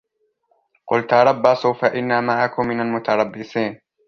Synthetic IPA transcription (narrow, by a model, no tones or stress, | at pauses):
qʊ̰lt̪aɾˤɑbːasˤʊfaʔɪnːamaʕakʊmːɪnalmʊt̪ɑɾˤɑbːɪsiːn